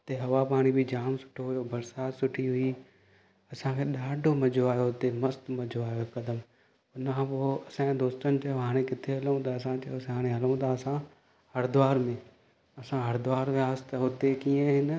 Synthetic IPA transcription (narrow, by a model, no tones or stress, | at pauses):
t̪ɐɦɐʋapaːɽ̃ibɪd͡ʑaːmsʊ̥ʈʰoɦʊjobɐɾsaːt̪sʊʈʰiɦʊi | ɐsãkʰeːɗaːɖʱomɐd͡ʑʱoaːjoɦʊt̪emɐst̪mɐd͡ʑʱoaːjokɐd̪əm | ʊnkʰãpoːɐsãd̪oːst̪ənɪ̆t͡ɕɐjoɦaːɽ̃ẽkɪt̪ʰeɦɐlũt̪aɐs̬ãt͡ɕɐjosɦaːɽ̃ẽɦɐlũt̪ʰaɐsã | hɐɾd̪ʊaːɾmẽ | ɐsãɦɐɾd̪ʊʋaːɾʋeaːəst̪ɐɦʊt̪ekiːə̃ɦɪn